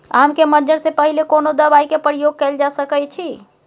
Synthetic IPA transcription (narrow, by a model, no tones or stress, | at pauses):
amkeməd͡ʒəɽsẽpəɦilekonod̪əβajkepəɾijoɡ̚kɛld͡ʒasəkəjt͡ʃʰi